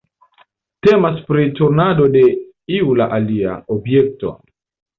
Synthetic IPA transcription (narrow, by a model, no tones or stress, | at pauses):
te̞maspɾituɾnado̞de̞ | iulaʔalia̰obje̞k̚to̞̰